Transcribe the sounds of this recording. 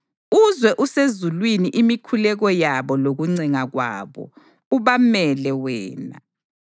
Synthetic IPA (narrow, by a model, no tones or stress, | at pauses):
uzwɛʔusezulwiniʔimikʰulɛɣɔjaβɔloɣuŋ͡ǀɛŋaɣwa̰ːβɔ̰ | uβamɛlɛwɛ̰ːna̰